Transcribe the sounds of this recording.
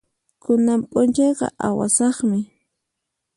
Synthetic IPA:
kʊnampʼʊnt͡ʃɑjqɑ̰ʔawa̰sɑχmɪ

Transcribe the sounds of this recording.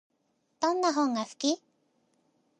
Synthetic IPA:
t̪awnaɦoŋafki

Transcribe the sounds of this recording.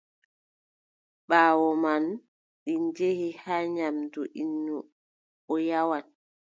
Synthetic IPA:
ɓaːwɔman | ɗind͡ʒehihaːɲamduʔinːu | ɔjawat̚

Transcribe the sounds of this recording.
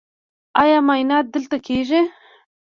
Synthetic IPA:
ɑjɑmajnɑt̪̚d̪əlt̪akʰeʒi

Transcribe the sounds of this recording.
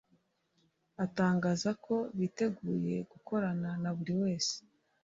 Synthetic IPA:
ataːŋɡaːzakʰo̞βiːte̞ɡuːje̞ɡ̥uko̞ɾananaβuɾiwe̞ːse̥

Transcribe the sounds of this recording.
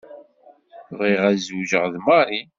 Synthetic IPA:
viʁæzuʒəʁðmɑɾˤi

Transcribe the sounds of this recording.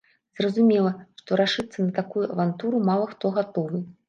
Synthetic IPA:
z̥rɐzumʲɛlˠɐʂt̪ɔɾaʂɨt̪sːɐnɐt̪akujuʔɐvant̪uɾumalˠɐxt̪ɔɣat̪ɔvɨ

